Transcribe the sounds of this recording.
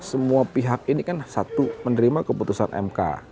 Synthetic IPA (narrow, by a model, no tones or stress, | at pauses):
səmuapiɦak̚inikansat̪umənəɾimakəput̪usa̰nʔɛ̰mka̰